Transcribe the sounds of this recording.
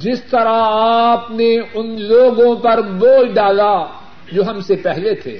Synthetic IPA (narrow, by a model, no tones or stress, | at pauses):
d͡ʒɪst̪ɐɾaaːpneʊnloːɡõpɐɾboːlɖaːla | d͡ʒoːɦɐmsepɛɦlet̪ʰḛː